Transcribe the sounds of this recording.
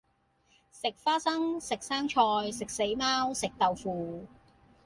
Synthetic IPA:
sɪ˨k̚faː˥sɐ˥ŋsɪ˨k̚saː˥ŋt͡ʃʰɔː˧jsɪ˨k̚se˨˥jmaː˥wsɪ˨k̚t̪ɐ˨wfuː˨˩

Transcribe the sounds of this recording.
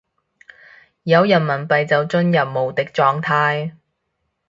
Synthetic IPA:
jɐ˨˧wjɐ˨˩nmɐ˨˩npɐ˨jt͡sɐ˨wt͡ʃɵ˥njɐ˨p̚mo˨˩wt̪ɪ˨k̚t͡ʃɔː˧ŋt̪ʰaː˧j

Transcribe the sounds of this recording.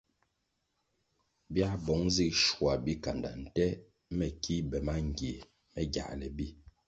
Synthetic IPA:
bja˦bɔ˨˦ŋzi˦ʃwa˨bi˦ka˨nda̰˨n̩˨tɛ˦ | mɛ˨ki˦bɛ˨ma˦ŋ˨ɡje˨ | mɛ˦ɡja̰˨ʔlɛ˨bi˦

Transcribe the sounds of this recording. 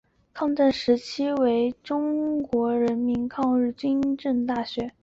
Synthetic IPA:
kʰɑ˥˧ŋʈ͡ʂa˥˩nʂɻ̩˧˥t͡ɕʰi˥we˧˥ɪʈ͡ʂʊ˥ŋkwɔ˧˥ɻə˧˥nmi˧˥nkʰɑ˥˧ŋɻɻ̩˥˩t͡ɕy˥nʈ͡ʂə˥˧ŋt̪a˥˩ɕɥɛ˧˥

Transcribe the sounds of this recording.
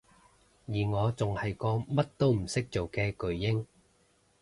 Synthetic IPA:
jiː˨˩ŋɔː˨˧t͡sʊ˨ŋhɐ˨jkɔː˧mɐ˥t̚t̪o˥wm̩˨˩sɪ˥k̚t͡so˨wkɛː˧kɵ˨ɥːɪ˥ŋ

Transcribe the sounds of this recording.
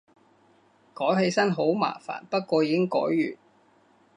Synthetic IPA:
kɔː˨˥jɦe˧jsɐ˥nɦo˨˥wma̰ː˨˩fa̰ː˨˩npɐ˥t̚kʷɔː˧jiː˨kɪ˥ŋkɔ̰ː˨˥jːyː˨˩n

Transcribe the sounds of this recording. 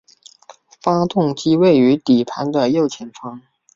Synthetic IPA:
fa˥t̪ʊ˥˩ŋt͡ɕi˥we˥˩ɪy˧˥t̪i˨˩pʰa˧˥nd̪ə˧jo˥˩ʊt͡ɕʰjɛ˧˥nfɑ˥ŋ

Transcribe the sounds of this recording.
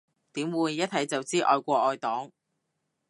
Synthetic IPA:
t̪iː˨˥mwuː˨˧jːɐ˥t̚t̪ʰɐ˨˥jt͡sɐ˨wt͡siː˥ʔɔ̰ː˧jkʷɔː˧ʔɔː˧jt̪ɔː˨˥ŋ

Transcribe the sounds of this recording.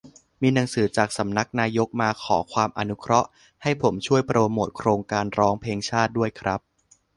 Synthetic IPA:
miː˧na˩˦ŋsɯː˩˦t͡ɕaː˨˩k̚sa˩˦mna˦˥k̚naː˧jo˦˥k̚maː˧kʰɔː˩˦kʰwaː˧mʔa˧nu˦˥kʰɾɔ˦˥ʔ | ha˥˩jpʰo˩˦mt͡ɕʰu˥˩əjpɾoː˧moː˨˩t̪̚kʰɾoː˧ŋkaː˧nɾɔː˦˥ŋpʰeː˧ŋt͡ɕʰaː˥˩t̪̚du˥˩əjkʰɾa˦˥p̚

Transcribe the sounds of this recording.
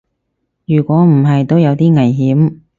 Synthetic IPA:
jyː˨˩kʷɔː˨˥m̩˨˩ɦɐ˨jt̪o˥wjɐ˨˧wt̪iː˥ŋɐ˨˩jɦiː˨˥m

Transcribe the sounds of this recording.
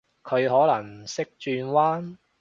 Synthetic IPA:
kʰɵ˨˧ɥɦɔː˨˥lɐ˨˩ŋsɪ˥k̚t͡ʃyː˧nwaː˥n

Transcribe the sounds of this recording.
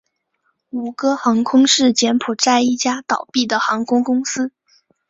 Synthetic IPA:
u˨˩kɤ˥xɑ˧˥ŋkʰʊ˥ŋʂɻ̩˥˩t͡ɕjɛ˧˥npʰu˨˩t͡sa˥˧ɪi˥˩t͡ɕja˥t̪ɑ˨˩ʊpi˥˩d̪ə˩xɑ˧˥ŋkʰʊ˥ŋkʊ˥ŋsɹ̩˥

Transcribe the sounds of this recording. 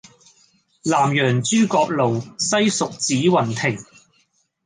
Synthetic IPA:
laː˨˩mjœː˨˩ŋt͡syː˥kɔː˧k̚lo˨wsɐ˥jsʊ˨k̚t͡siː˨˥wɐ˨nt̪ʰɪ˨˩ŋ

